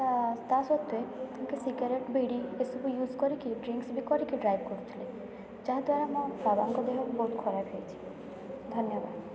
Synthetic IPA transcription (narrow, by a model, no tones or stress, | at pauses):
at̪asɔt̪ːet̪umkesiɡaɾeʈbeɽiesɔbujuzkɔɾikiɖɾiŋksbikɔɾikiɖɾajbkoɾet̪ʰile | d͡ʑaɦd̪waɾamababaŋkɔd̪eɦɔkbot̪kʰɔɾapɦejet͡ɕʰi̥ | d̪ʱɔnjɔba̰d̪